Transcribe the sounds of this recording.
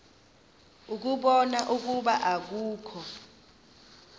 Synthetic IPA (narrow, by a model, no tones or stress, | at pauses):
uk̬uɓɔnaʔuk̬uɓaʔak̬uːkʰɔ